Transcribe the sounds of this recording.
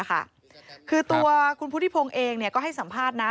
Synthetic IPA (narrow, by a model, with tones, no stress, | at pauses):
kʰa̰˥˩ | kʰɯː˧t̪u˧ɐkʰu˧npʰu˥t̪i˥˩pʰo˧ŋʔeː˧ŋni˥˩ɐkɔː˥˩ɦa˥˩jsa˩˦mpʰaː˥˩t̪̚na˦˥